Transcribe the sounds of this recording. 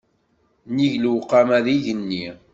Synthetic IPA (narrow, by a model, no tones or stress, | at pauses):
niʝlwqːamæðiʝənːi